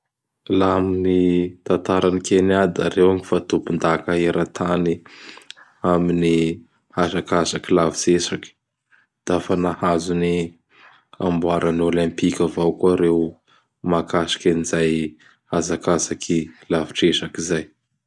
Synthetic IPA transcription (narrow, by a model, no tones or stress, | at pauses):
laaminit̪ant̪aɾanikeniad̪a̰ɾewaŋifat̪upund̪akaeɾat̪ʰani | amini | hazakasakilavi̥t͡sesaki̥ | d̪̥afanahazuni | a̰mbuaɾanolɛ̃mpikʲavawkuaɾew | makaʃi̥kʲanizaj | hazakasakʰilavi̥ʈ͡ʂesakizaj